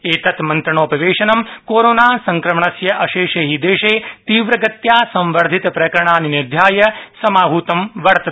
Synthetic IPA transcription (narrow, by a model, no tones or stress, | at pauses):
eːt̪ɐt̪mɐnt̪ɾɐɳoːpɐʋeːʃɐnɐmkoːɾoːnaːsɐ̃ŋkɾɐmɳɐsjɐʔɐʃeːʃeɦid̪eːʃeːt̪iːʋɾɐɡət̪jaːsɐ̃mʋəɾd̪ʱit̪pɾɐjkɾɐɳ̃aːninɪɾd̪ʱjaːjɐsɐmaːɦuːt̪ɐmʋɐɾt̪ɐ